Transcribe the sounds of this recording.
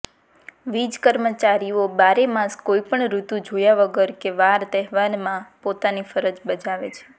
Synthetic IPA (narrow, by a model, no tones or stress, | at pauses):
ʋid͡ʒkəɾmət͡ʃaɾijobaɾemãskoipəɳɾut̪ũd͡ʒojaʋəɡəɾkeʋaɾd̪ɛɦʋanmãpot̪anifəɾəd͡ʒbəd͡ʒaʋet͡ʃʰe̥